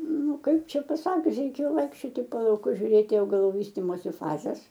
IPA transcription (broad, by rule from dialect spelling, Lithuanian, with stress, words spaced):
nʊ ˈkɐɪp ˈt͡ʃʲɛ pɐˈsɑːkʲʊs rʲɛɪˈkʲeːjoː ˈʋɐɪkʃʲt͡ʃʲoːtʲɪ poː lˠɐʊˈkʊs ʒʲʊˈrʲeːtʲɪ ɐʊɡɐˈlˠuː ˈʋʲiːsʲtʲɪmoːsʲɪ ˈfɑːzʲɛs